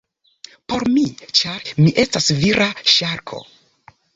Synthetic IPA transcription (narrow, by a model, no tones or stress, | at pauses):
po̞ɾmit͡ʃaɾmiʔe̞stasviɾʔaʃaɾkʰo̞̰